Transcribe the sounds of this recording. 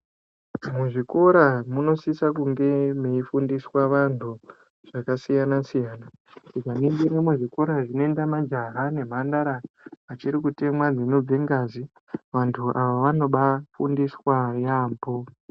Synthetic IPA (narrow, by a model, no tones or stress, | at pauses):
muʐiko̞ɾamuno̞sisak̬uŋɡe̞meifundiswaʋantʰu | ʐ̥akasijanasijaːna | tiɡaniŋɡiɾemuʐiko̞ɾaʐino̞endamad͡ʒaɦane̞m̤andaɾa | at͡ʃiɾikute̞mwad͡zino̞b͡veŋɡazi | ʋantʰuʔaʋaʋano̞ɓafṵndiswajaːmbo